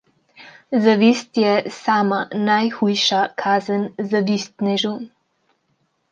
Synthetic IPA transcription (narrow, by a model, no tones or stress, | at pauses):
zaʋiːst̪jɛsaːmanajxujʃakʰaːzənzaʋiːst̪nɛʒun